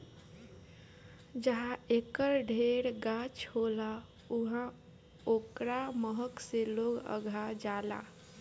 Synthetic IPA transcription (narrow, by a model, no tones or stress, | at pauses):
d͡ʒəɦãekəɾɖʱeɾɡat͡ʃhola | uɦã | okɾaməɦəkseloɡə̰ɡʱad͡ʒala̰